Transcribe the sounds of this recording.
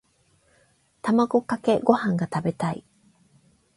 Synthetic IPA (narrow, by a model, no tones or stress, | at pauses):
t̪amaɡo̞kake̞ɡo̞hãŋɡat̪abe̞t̪aḭ